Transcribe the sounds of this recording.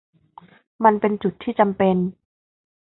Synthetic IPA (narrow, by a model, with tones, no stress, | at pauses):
ma˧npe˧nt͡ɕu˨˩t̪ʰːiː˥˩t͡ɕa˧mpe˧n